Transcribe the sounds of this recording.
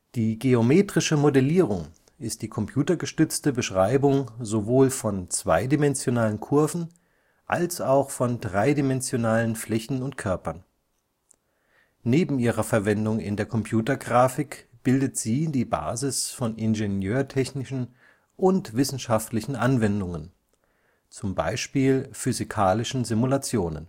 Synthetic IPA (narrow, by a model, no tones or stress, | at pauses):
d̥iːɡeomeːtʁ̥ɪʃəmodɛliːʁ̞ʊŋ | ɪst̚d̥iːkʰɔmpʰj̥uːtɐɡəʃtʏt͡stəbəʃʁ̥aɪbʊŋzovoːlfɔnt͡sv̥a̰ɪdimɛnzjonaːlənkʰʊɐvn̩ | ʔa̰lsaʊxfɔndʁaɪdimɛnzjonaːlənflɛçn̩ʊntkʰœɐpɐn | neːbm̩iːʁɐfɛɐvɛndʊŋɪ̰ndeːɐkʰɔmpʰj̥uːtɐɡʁaːfɪkb̥ɪldətz̥iːdiːba̰ːzɪsfɔnʔɪnʒenjøːɐtʰɛçnɪʃn̩ | ʔʊntv̥ɪsn̩ʃaftlɪçn̩ʔanvɛndʊŋən | t͡sʊmba̰ɪʃpiːlfyzikʰaːlɪʃn̩zɪmulat͡sjoːnə̰n